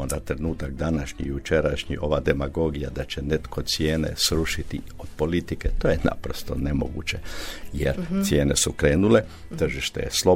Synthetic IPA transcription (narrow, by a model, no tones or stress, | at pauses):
ond̪at̪ɾe̞nuːt̪akd̪anaʃɲḭjut͡ʃe̞ɾaʃɲḭʔo̞ʋad̪e̞maɡo̞ɡijad̪at͡ɕe̞ne̞t̪kʰo̞t̪sje̞ːne̞̰sɾuʃit̪ḭod̪̥po̞lit̪ike̞t̪oːjena̰pɾo̞st̪o̞̰nemo̞̰ɡṵːt͡ɕe̞jeɾt̪sje̞ːne̞̰sukɾeːnule̞ | t̪r̩ʒiʃt̪e̞̰jḛslo̞